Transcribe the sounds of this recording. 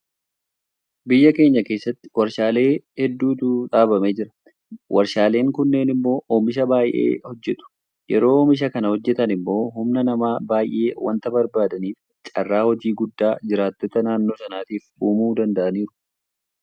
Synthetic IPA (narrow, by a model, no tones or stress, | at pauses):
bɪjːɐke̞ːɲːɐke̞ːsːɐt̪ːɪ̥wɐɾʃaːle̞ːhɛd̪ːuːd̪uːᶑaːbɐmeːd͡ʒɪɾɐ̥ | wʔɐɾʃaːle̞ːŋkʊnːeːnɪmːo̞ːʔoːmɪʃ̬ɐbaːjʔḛːhɔd͡ʒːɛt̪ʊ̥ | jɛɾo̞ːmɪʃ̬ɐkɐnɐhɔd͡ʒːɛt̪ɐnɪmːo̞ːhʊmnɐnɐmaːbaːjʔe̞̰ːwɐ̰nt̪ɐbɐɾbaːd̪ɐniːf | t͡ʃʼɐ̰rːaːhɔd͡ʒiːɡʊd̪ːaːd͡ʒɪɾaːt̪ːɔt̪ɐnaːnːo̞ːsɐnaːt̪iːfuːmuːd̪ɐnd̪ɐʔɐniːɾʊ̥